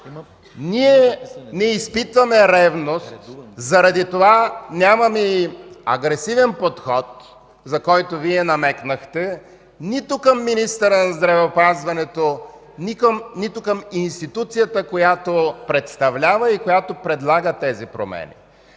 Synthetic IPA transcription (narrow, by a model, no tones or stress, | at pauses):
niɛnɛispit̪vɐmɛɾɛvnost̪zɐɾɐd̪it̪ovanʲamɐmiɐ̰ɡɾɛsivɛnpot̪xɔt̪ | zɐkɔjt̪oviɛnɐmɛknəxt̪ɛ | nit̪ʊkəmːinist̪əɾənɐzd̪ɾɐvɛopazvɐnɛt̪o | nikəmnit̪ʊkəminst̪it̪ut̪sijət̪əkojat̪opɾɛt̪st̪ɐvlʲavɐikojat̪opɾɛd̪lˠaɡət̪ɛzipɾo̰mɛ̰nḭ